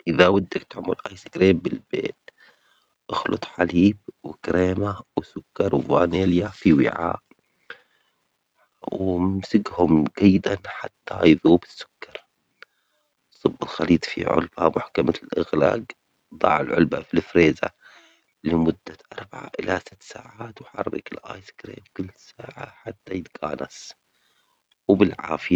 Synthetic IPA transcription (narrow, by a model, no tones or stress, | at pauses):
ʔɪðawad̪ːakt̪ʊʕmʊlʔajsɪɡɾeːmbɪlbḛːt̪̚ | ʔɑxlʊ̰t̪ˤħaliːb̚wɪkɾeːmawɪsʊkːɑɾˤwɪvaːneːljafiwɪ̰ʕa̰ːʔ | wɪmsɪɡhʊmɡajːɪd̪anħat̪ːajðuːbɪ̥sːʊ̥kːɑɾˤ | sˤɨbːɪlxaliːt̪ˤfḭʕʊ̰lbamʊħkamalʔɪɣla̰ːɡ | d̪ˤɑ̰ːʕɪlʕʊlbafilfɾeːza̰ | lɪmʊd̪ːaʔɑɾˤbaʕa̰ʔɪlasɪt̪ːsaːʕaːt̪wħɑ̰rˤːɑ̰kɪlʔaːjskɾeːmkʊlːsaːʕa̰ħat̪ːajɪt̪ɡaːnas | wbɪlʕa̰ːfɪa